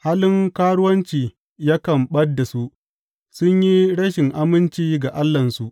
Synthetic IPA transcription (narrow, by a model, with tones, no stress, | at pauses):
haː˦lɪ˦ŋkaː˦ɽʊ˦wɐ˦nt͡ʃiː˨ | ja˦kɐ˨mɓɐ˦dːa˨su˦ʔ | sʊ˦ɲji˦ɽɐ˦ʃɪ˨ŋʔa˦mɪ˦nt͡ʃiː˦ɡa˨ʔa˦lːɐ˨nsu˦ʔ